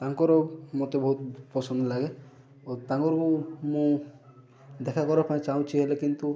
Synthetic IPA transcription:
t̪aŋkɔɾɔmot̪ebɔɦut̪̚pɔsʰɔnd̪ɔlaɡe | t̪aŋkɔɾɔkumũ | d̪ekʰakɔɾapaĩt͡ʃaw̃t͡ʃʰiɦelekint̪u

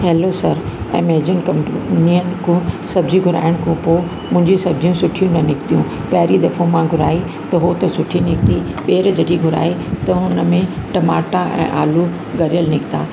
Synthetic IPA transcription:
ɦɛːlosɐɾɛ̰̃ːmeːd͡ʑənkɐ̃mpniən̆kʰũːsɐbd͡ʑiɡʱʊɾa̰ːɪəɽ̃kʰũpoː | mʊ̃ɦɪ̃ɲd͡ʑisɐb̚d͡ʑʱijũsʊʈʰijũnɐnɪkt̪ijũ | pɐɦɪɾid̪ɐfõmãɡʱʊɾa̰ːi | t̪ɐɦot̪ɐsʊʈʰinɪkt̪i | ɓeːɾd͡ʑɐɗiɡʱʊɾa̰ːit̪ɐɦʊnə̆mẽʈɐmaːʈaʔɛ̰̃ːʔaːlu | ɡɐɾijəlnɪkt̪a̰ː

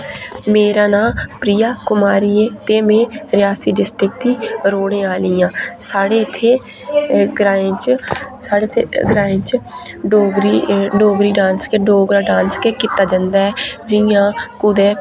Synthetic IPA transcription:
meːɾãːnaːpɾiːjaːkʊmaːɾiːẽːt̪eːmẽːɾɪjaːsiːɖɪsʈɾɪk̚d̪iːɾoːɽ̃ẽːaːlɪːjãːsaːɽeːɪt̪ʰːeː | ɡɾaːẽːt͡ʃsaːɽeɡɾaːɪ̃t͡ʃ | ɖoːɡɾiɖoːɡɾiːɖãːnskeːɖoːɡɾaːɖãːnskeːkiːt̪aːd͡ʒə̃nd̪aːɛːd͡ʒɪjãːkʊd̪ɛː

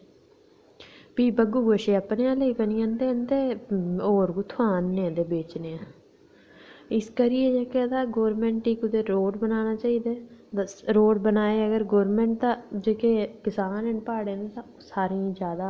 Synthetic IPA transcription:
piːbəɡuːɡoʃeːəpneãːləiːbənɪjãnd̪eːənd̪eːoːɾɡʊt̪ʰaːnːẽd̪eːbeːt͡ʃneːãː | ɪskəɾɪeːd͡ʒeːked̪aːɡoːɾmɛ̃ːɳʈʈiːkʊt̪eːɾoːɖbənaːnaːt͡ʃaːiːd̪aːt̪əɾoːɖbənaːeːəɡəɾɡoːɾmɛ̃ːɳʈ̚t̪ãːd͡ʒeːkeːkɪsaːnənpaːɽeːnet̪ã | saːɾĩːd͡ʒjaːd̪aː

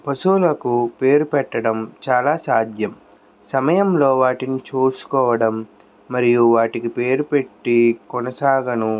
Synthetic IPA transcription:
pɐsuːlɐkupe̞ːɾupɛʈːɐɽɐmt͡ʃaːlaːsaːd̪jɐm | sɐmɐjɐmlo̞ːʋaːʈinit͡ʃuːsu̥kɔːʋɐɽɐmː | ɐɾijuʋaːʈikipe̞ːɾupe̞ʈːikɔnɐsaːɡɐnu

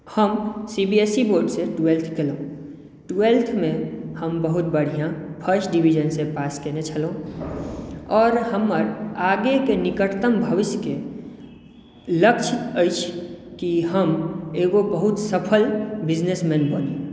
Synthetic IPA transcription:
həmsibiesiboːɾɖseʈwelt̪ʰkelõ | ʈelt̪ʰmẽhəmbəɦʊt̪̚bəɽ̤ijãpʰəɾsʈɖiwid͡ʒənsepaːskenet͡ʃʰəlõ | ɔːɾɦəmːəɾaːɡekenɪkəʈt̪əmbʱəʋɪsjke | ləkt͡ʃʰɪt̪əɪt͡ʃʰkiɦəmeːɡobəɦʊt̪səpʰəlbɪd͡ʒnesmɛ̃ːnbəni

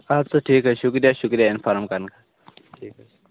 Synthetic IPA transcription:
abseʈʰiːkɦɛʃʊkɾijaʃʊkɾijaɪnfaɾmkɐɾnka | ʈʰiːk

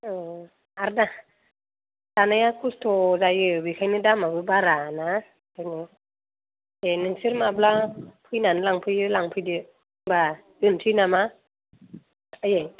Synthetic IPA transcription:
ɯ | aɾda | d̥anajakʰustʰɔzajɯbikʰajnɯdamabɯbaɾana | kʰajnɯ | enɯŋsɯɾmablapʰɯjnanɯlaŋpʰɯjɯlaŋpʰɯjdɯ | ba | ɯntʰɯjnama | aje

